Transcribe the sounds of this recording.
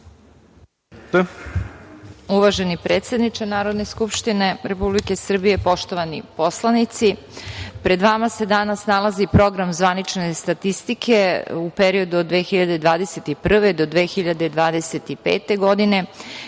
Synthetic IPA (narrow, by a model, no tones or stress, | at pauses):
uʋaʒenipɾeːt̪sed̪nit͡ʃenaːɾo̞d̪ne̞skupʃt̪ine̞ɾepublike̞sr̩bije̞po̞ʃt̪o̞ʋanipo̞slˠanit̪si | pɾe̞d̪ʋamase̞d̪anasnalˠazipɾo̞ɡɾamzʋanit͡ʃne̞st̪at̪ist̪ikʰe̞upeɾio̞d̪uod̪ʋe̞ːxiʎad̪e̞d̪ʋaːd̪e̞se̞t̪ipr̩ʋed̪o̞d̪ʋeːxiʎad̪e̞d̪ʋaːd̪ese̞t̪ipḛːt̪e̞ɡo̞d̪ine̞